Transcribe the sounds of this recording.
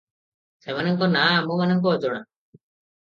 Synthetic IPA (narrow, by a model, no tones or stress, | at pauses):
semanəŋkɔnamũmanɔŋk̬ɔːd͡ʒoɽ̃a